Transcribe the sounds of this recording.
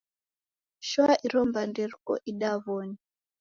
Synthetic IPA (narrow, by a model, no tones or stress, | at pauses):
ʃwaʔiɾɔmbanderkɔ̰ʔiɗaβoni